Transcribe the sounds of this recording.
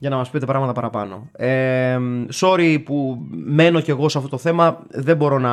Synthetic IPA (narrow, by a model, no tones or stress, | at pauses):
ʝɐnɐmɐspiet̪epɾɐɣmɐt̪ɐpɐɾɐpɐno̞̰e | so̞ɾipume̞no̞ce̞ɣo̞seɐft̪o̞t̪oθe̞mɐðe̞bo̞ɾo̞nɐ